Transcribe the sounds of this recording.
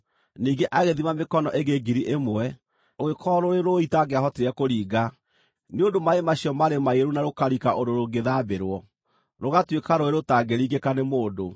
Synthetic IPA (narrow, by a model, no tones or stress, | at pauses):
niːɡeʔaɣeðimamekɔnɔʔeɣeɡiɾiʔemwɛ | oɣekʰɔɾoɾeɾoitaɡeaɦɔteɾɛkoɾiːɡa | neondomaemaɕiɔmaɾemaeɾunaɾokaɾikaʔodoɾoɡeðabeɾwɔ | ɾoɣatwekaɾoeɾotaɡeɾiːɡekanemoːdo